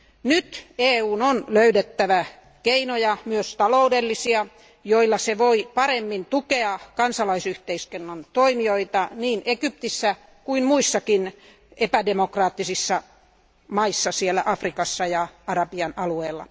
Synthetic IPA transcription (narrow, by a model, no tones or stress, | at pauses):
nyt̪eːuːnonløydet̪ːæʋæ | keinojɑmyøst̪ɑloudelːisiɑ | joilːɑseʋoipɑɾemːint̪ukeɑkɑnsɑlɑisyht̪eiskenːɑnt̪oimioit̪ɑniːnekyp̚t̪isːæ | kuinmuisːɑkin | epædemokrɑːt̪ːisisːɑ | mɑisːɑsielːˑæʔɑfrikɑsːɑjɑɑrɑpiɑnɑlueːlːɑ̰